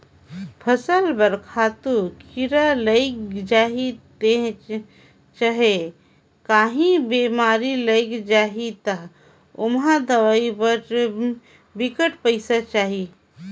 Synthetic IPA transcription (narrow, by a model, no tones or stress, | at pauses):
pʰəsəlbəɾkʰaːt̪ukiɾaləɪkd͡ʒaːɦit̪e | t͡ʃaɦe | kaːɦĩbeːmaːɾiləɪkd͡ʒaːɦit̪əɦ | ʊmɦad̪ɐʋaːibəɾ | bɪkəʈpəɪsat͡ʃaːɦi